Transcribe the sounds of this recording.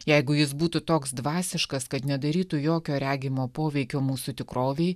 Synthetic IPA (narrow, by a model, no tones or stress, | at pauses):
jɛɪɡʊjɪsbuːt̪ʊt̪oːksd̪ʋɑːsʲɪʃkɐskɐt̪nʲɛd̪ɐɾʲiːt̪ujoːkʲoːɾʲæːɡʲɪmoːpoːʋʲɛɪkʲoːmuːsʊt̪ʲɪkɾoːʋʲɛɪ